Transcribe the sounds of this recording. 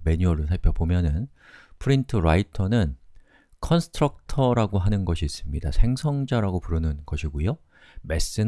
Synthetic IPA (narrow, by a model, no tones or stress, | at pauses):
me̞ɲuʌɾos̬ʰaɭpʰjʌpomjʌnɯn | pʰɯɾintʰɯɾaitʰʌnɯn | kʰʌnsʰɯ̥tʰɾʌk̚tʰʌɾaɡoɦanɯnɡʌɕʰiːs͈ɯmɲida̰sʰe̞ŋsʰʌŋd͡ʑaɾaɡopuɾɯnɯnɡʌɕʰiɡujo | me̞s͈ɯn